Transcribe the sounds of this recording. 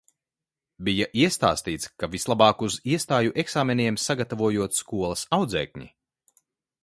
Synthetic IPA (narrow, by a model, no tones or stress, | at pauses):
bijaʔiɛst̪a̰ːst̪iːt̪skavislˠabɑːkuziɛst̪aːjuʔɛksaːmeniɛmsaɡat̪avuɔjuɔt̪skuɔlˠɐsawd̪zɛ̰ːkʲɲḭ